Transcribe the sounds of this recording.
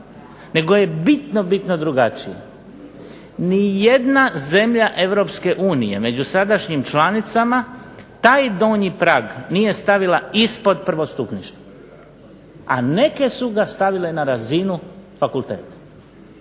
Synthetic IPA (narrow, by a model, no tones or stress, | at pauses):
ne̞ɡo̞je̞bit̪no̞bit̪nod̪ɾuɡat͡ʃija̰ | nijed̪naze̞mʎaʔe̞ʋɾo̞pske̞ʔuːnije̞me̞d͡ʑusad̪aʃɲimt͡ʃlanit̪samat̪aːjd̪oːɲipɾaːɡnije̞st̪aʋilaispo̞d̪pr̩ʋost̪upniʃt̪u | a̰ne̞ke̞suɡast̪aʋile̞naɾazinufakulˠt̪e̞̰ːt̪ḁ